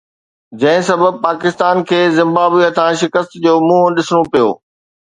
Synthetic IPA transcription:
d͡ʑɐ̃ɦɪ̃sɐbəb̚paːkɪst̪aːnkʰeːzɪ̃mbaːbiət̪ʰãʃɪkəst̪d͡ʑoːmũːəɗɪsɽ̃opijo̰ː

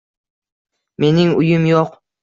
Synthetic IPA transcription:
me̞nɪŋʊjʊmjoq

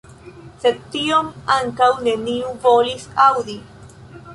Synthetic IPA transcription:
se̞d̪̚tio̞maŋkawne̞niuvo̞lisawd̪i

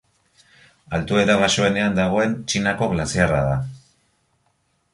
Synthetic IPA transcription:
alt̪ue̞ɾaβ̞aʃoe̞ne̞and̪aɣ̞o̞e̞nt͡ʃinako̞ɣlasiara̰ða

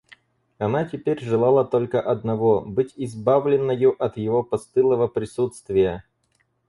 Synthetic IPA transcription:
ɐnatʲɪpʲeɾʲʐɨlˠalˠət̪olʲkəʔɐd̪nɐvo̞bɨtʲɪzbavlʲɪnːəjʊʔɐt̪jɪvopɐst̪ɨlˠəvəpɾʲɪsut̪st̪vʲɪjə

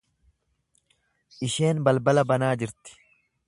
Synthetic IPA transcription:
ʔɪʃe̞ːnbɐlbɐlɐbɐnaːd͡ʒɪɾt̪ɪ̥

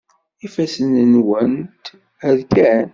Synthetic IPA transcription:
ifæsənənwənt̪ | həɾkæn

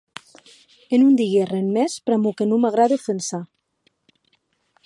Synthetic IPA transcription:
enund̪iɣerenmɛspɾamukenumaɣɾaðefensa

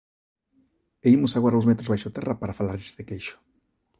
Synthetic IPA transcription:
eimusaɣwaɾozmet̪ɾozβajʃot̪erapaɾafalaɾʎi̥z̥ekejʃo̥

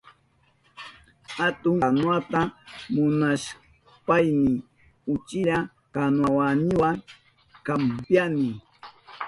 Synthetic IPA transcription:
hat̪ʊŋanwat̪amʊnaʃ | pajnɪ | ʊt͡ʃɪɾa | kanwawanɪwaŋ | kampjanɪ

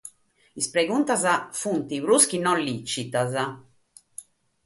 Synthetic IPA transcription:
ispɾeɡunt̪azafunt̪iβɾuskinɔnlit͡ʃit̪aza

